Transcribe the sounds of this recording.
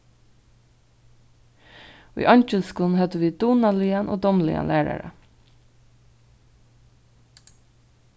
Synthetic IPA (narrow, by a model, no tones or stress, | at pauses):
ʊ̰jʔɑɲt͡ʃəlskuːln̩hœt̪əʋiːd̪uːnaliːanʔo̰ːd̪ɔmlɪ̰a̰nlæːɹa̰ɾa̰